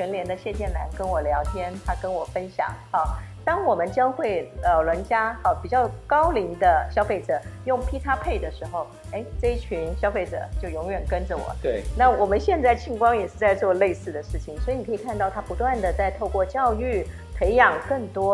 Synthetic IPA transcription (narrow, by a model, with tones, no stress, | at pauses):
t͡ɕʰɥɛ˧˥nljɛ˧˥nd̪ə˧ɕjɛ˥˧t͡ɕjɛ˥˩nla̰˧˥nkə˥nwɔ˨˩ljɑ˧˥ʊt̪ʰjɛ˥nt̪ʰa˥kə˥nwɔ˨˩fə˥nɕjɑ̰˨˩˦ŋxɑ˧˩ʊt̪ɑ˥ŋwɔ˨˩mə˦nt͡ɕjɑ˥ŋxwe˥˩ɪlɑ˨˩ʊlwə˧˥nt͡ɕja˥xɑ˨˧˩ʊpi˨˩t͡ɕjɑ˥˩ʊkɑ˥ʊli˧˥ŋd̪ə˧ɕjɑ˥ʊfe˥˩ɪʈ͡ʂɤ˨˩˦jʊ˥˩ŋpʰi˥t̪ʰa˥pʰe˥˩ɪd̪ə˩ʂɻ̩˧˥xo˥˩ʊ | e˥˩ɪʈ͡ʂɤ˥˧i˥˩t͡ɕʰy˧˥nɕjɑ˥ʊfe˥˩ɪʈ͡ʂɤ̰˨˩˦t͡ɕjo˥˩ʊjʊ˧˥ŋɥɛ˨˩nkə˥nʈ͡ʂə˨wɔ̰˨˩˦na˥˩wɔ˨˩mə˦nɕjɛ˥˧nt͡sa˥˧ɪt͡ɕʰi˥˩ŋkwɑ˥ŋjɛ˨˩ʂɻ̩˥˧t͡sa˥˧ɪt͡swɔ˥˧le˥˧ɪsɹ̩˥˩d̪ə˩ʂɻ̩˥˩t͡ɕʰi˨˩ŋswɔ˧˥i˧˩n˨˩kʰɤ˧˥i˨˩kʰa˥˧nt̪ɑ˥˩ʊt̪ʰa˥pu˧˥t̪wa˥˩nd̪ə˩t͡sa˥˧ɪt̪ʰo˥˧ʊkwɔ˥˧t͡ɕjɑ˥˧ʊy˥˩ | pʰe˧˥ɪjɑ˨˩ŋkə˥˩ŋt̪wɔ˥